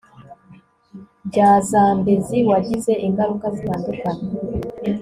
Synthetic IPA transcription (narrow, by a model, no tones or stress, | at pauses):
bɟaːzaːmbeziwaɟize̞ʔiŋɡaɾukazitaːndukaɲa